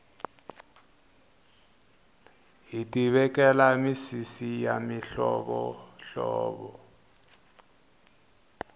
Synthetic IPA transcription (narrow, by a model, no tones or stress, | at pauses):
ɦitʼiβɛkɛlamisisijamiɬɔɓɔɬɔ̰ːɓɔ